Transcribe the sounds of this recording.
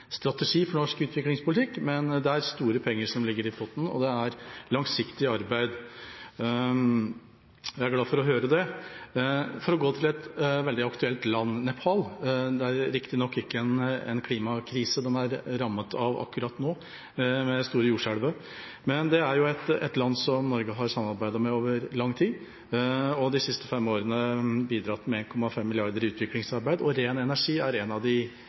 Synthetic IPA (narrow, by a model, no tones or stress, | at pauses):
st̪ɾɑt̪ɛʂiːfɔɳɔʂkʉːt̪ʰʋɪklɪŋspʰʊlt̪ʰɪkːmɛnd̪ɛæɾst̪uːɾəpʰɛŋːəʂɔmlɪɡːəɾɪfɔt̪n̩ɔ̰d̪ɛæɾlɑŋsɪkt̪ɪɑɾbæɪd̪ | jææɾɡlɑːfɔɾɔɦøːɾəd̪ɛ | fɔɾɔɡoːt̪ʰɪlɛt̪ʋɛld̪ɪɑkt̪ʉɛlt̪lɑnnɛpʰɑld̪ɛæɾɾɪkt̪ɪnɔkːɪkːəɛnɛ̰nkʰliːmɑkʰɾiːsəd̪ɛnæɾɾɑmːət̪ʰɑʋɑ̰kːʉɾɑt̪noː | mɛst̪uːɾəjuːʂæɽʋə | mɛnd̪ɛæɾjʊɛt̪ɛ̰t̪lɑnːsɔmnɔɾɡəɦɑɾsɑmːɑɾbæɪd̪ɑmɛoːʋəɾlɑŋːt̪ʰiː | ɔd̪ɪsɪst̪əfɛmoːɾənəbiːd̪ɾɑt̪ːmɛeːnkʰɔmːɑfɛmːɪlɪɑɾd̪əɾʉːt̪ʋɪklɪŋsɑɾbæɪd̪ɔɾeːnɛnæʂiːæɾɛnɑʋd̪ɪ